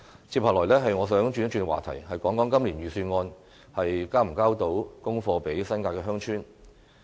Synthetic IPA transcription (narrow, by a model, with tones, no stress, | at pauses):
t͡sʰiː˧p̚haː˨˩lɔː˨˩jlɛː˥ɦɐ˨jŋɔː˨˧s̬œː˨˥ŋt͡ʃyː˨˥n˥t͡ʃyː˧ŋkɛ˧aː˨t̪ʰɐ̰˨˩jhɐ˨jkɔː˨˥ŋkɔː˨˥ŋkɐ˥mliː˨˩nɥyː˨˩syː˧nŋɔː˧n | hɐ˨jkaː˥m̩˨˩kaː˥wt̪o˨˥wkʊ˥ŋfɔː˧pe˨˥jsɐ˥nkaː˧kɛː˧ɦœː˥ŋt͡ʃʰyː˥n